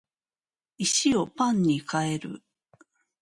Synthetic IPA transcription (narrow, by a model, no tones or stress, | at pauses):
iɕio̞pãɲ̟ːikae̞ɾɯ̰